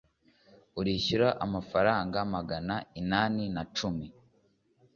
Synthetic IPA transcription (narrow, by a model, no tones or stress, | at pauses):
uɾiçiɾaʔamafaɾaːŋɡamaɡanainaːninat͡ʃumi